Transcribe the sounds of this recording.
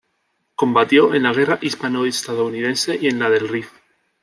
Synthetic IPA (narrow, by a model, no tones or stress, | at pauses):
kõ̞mbat̪jo̞ʔenlaɣ̞e̞raʔispanoest̪að̞ouniðe̞nse̞ʔie̞nlaðe̞lrif